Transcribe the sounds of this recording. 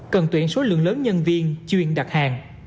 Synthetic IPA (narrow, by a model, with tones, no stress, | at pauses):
kə˨˩nt̪wi˧˩ənso˨˦lɨ̰˧˨əŋləː˨˦nɲə˧nvi˧ənt͡ɕwi˧˩ənɗa˨˩t̚haː˨˩ŋ